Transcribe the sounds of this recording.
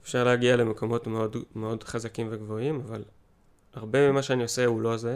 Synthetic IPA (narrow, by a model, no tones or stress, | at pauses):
efʃaʁleaɡiale̞meko̞mo̞tmeo̞dme̞o̞dχazakimve̞ɡvo̞imaval | aʁbe̞mimaʃeanio̞seulo̞ze